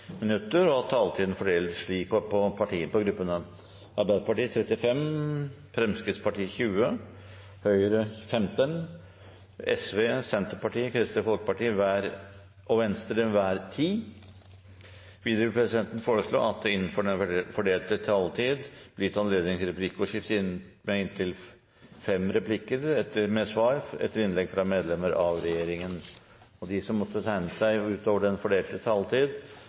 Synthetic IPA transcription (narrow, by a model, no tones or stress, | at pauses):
mɪnʉt̪ːəɾɔɑt̪ʰːɑːlt̪ʰiːd̪ən̩fɔɖeːlʂɭiːk̚pʰɔpʰɑʈʰiːəpɔɡɾʉpːənə | ʔɑɾbæɪd̪əpɑʈiːət̪ʰɾɛt̪ːɪfɛm | fɾɛmskɪd̪spɑʈiːçʉːə | hœʏɾəfɛmt̪ən | ɛsʋeːsɛnt̪əɾpɑʈiːəkʰɾɪst̪əfɔlkə̥pɑʈiːəʋæːɾ | ʔɔʋɛnst̪əɾəʋæːɾt̪ʰiː | ʋiːd̪əʊpʰɾɛsɪd̪ɛnt̪ən̩foːɾəslo̰ːɑt̪̚d̪ɛɪnːənfɔɖɛnfɔɖeːlt̪ət̪ʰɑlt̪ʰiːd̪b̥lɪt̪ɑnleːd̪nɪŋt̪ɪɾɛpʰlɪkːɔʂɪft̪ɪn | mɛɪnt̪ʰɪl | fɛmɾɛpʰlɪkːəɾɛt̪ːəmɛsʋɑːɾɛ̰t̪ːəɾɪnlɛɡfɾɑmeːd̪lɛməɾʔɑʋɾɛjeːɾɪŋən | ɔd̪ɪsɔmːɔt̪ːət̪ʰæɪnəsæɪʉːt̪oːʋəɖɛnfɔɖeːlt̪ət̪ʰɑlt̪ʰiːd̪